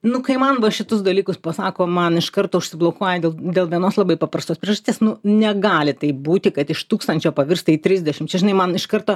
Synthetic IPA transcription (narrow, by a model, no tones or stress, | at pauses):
nʊkɐɪmɐnʋɐʃʲɪt̪ʊsd̪ɐlʲiːkʊspɐsɑːkoːmɐnɪʃkɐrt̪oːʊʃʲsʲɪblˠokoɔjɛd̪ʲeːlˠd̪ʲeːlˠʋʲiɛnoːslˠɐbɐɪpɐpɾɐst̪oːspʲɾʲiɛʒɐsʲt̪ʲeːsnʊnʲɛɡɑːlʲɪt̪ɐɪp̚buːt̪ʲɪkɐt̪ɪʃt̪uːkst̪ɐnʲt͡ʃʲoːpɐʋʲɪrst̪ɐiːt̪ʲɾʲɪzʲdʲɛʃʲɪmt͡ʃʲɛʒʲɪnɐɪmɐnɪʃkɐrt̪oː